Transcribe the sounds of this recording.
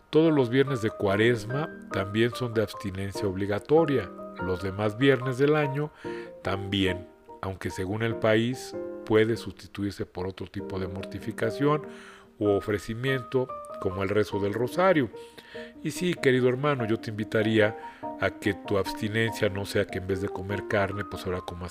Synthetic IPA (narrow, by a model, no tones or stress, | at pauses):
t̪o̞ð̞o̞zlo̞zβje̞ɾne̞zðe̞kwaɾe̞zmat̪ambje̞nso̞nd̪e̞aβst̪ine̞nsjaoβliɣat̪o̞ɾjalo̞zðe̞mazβje̞ɾne̞zðe̞laɲo̞t̪ambje̞n | awŋke̞se̞ɣune̞lpaispwe̞ðe̞sust̪i̥t̪uiɾse̞po̞ɾo̞t̪ɾo̞t̪ipo̞ð̞e̞mo̞ɾt̪ifikasjo̞n | oofɾesimje̞nt̪o̞ko̞moe̞lre̞so̞ðe̞lro̞saɾjo | isike̞ɾiðo̞e̞ɾmãno̞ʝo̞t̪eimbit̪aɾiaːke̞t̪uaβst̪ine̞nsjano̞se̞akeːmbe̞zðe̞ko̞me̞ɾkaɾne̞pwesaɾakomo